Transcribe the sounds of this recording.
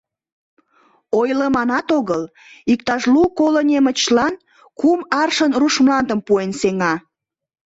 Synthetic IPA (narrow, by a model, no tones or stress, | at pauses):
ojləmɑnɑt̪oɣəl | ik̚t̪ɑʒlukolənʲemət͡ɕlɑn | kumɑrʃənruʃmlɑnd̪əmpuenseŋɑ